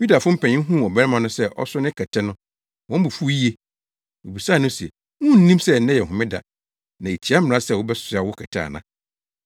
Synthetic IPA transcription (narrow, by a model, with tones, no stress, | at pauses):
ju˦da˨fʊ̃˦m̩˦pʰɛ̃˨ɲɪ̃˦ɦũ˦m˨ɔ˨bɛ˦ɾɛ˦mã˨nʊ̃˦sɛ˦˨ʔɔ̰˦sʊ˦nɪ̃˦kʰɛ˨tʰɛ˦nʊ̃˦ | wɔ̃˦m̩˦bu˨fu˦i˦e˦ | o˨bi˨saː˦˨nʊ̃˦si˨ɛ̰˨ | ŋũ˦˨n̩˦nĩ˦msɛ˦˨nɛ̃˦jɛ˨ɦʊ̃˨mɪ̃˦da̰˨ | nã˨e˨t͡ɕʰi˨˦a˦mɪ̃˨ɾã˦sɛ˦˨wʊ˦bɛ˦ssa˨wʊ˦kʰɛ˨tʰa̰˨nã˨